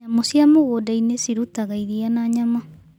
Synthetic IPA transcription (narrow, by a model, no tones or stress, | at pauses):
ɲamosiamoɣodainesiɾutaɣaiɾianaːɲama